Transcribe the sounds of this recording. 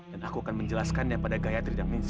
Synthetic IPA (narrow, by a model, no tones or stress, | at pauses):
danakuakanməɲd͡ʒəlaskanjapadaɡajat̪ɾidaŋnis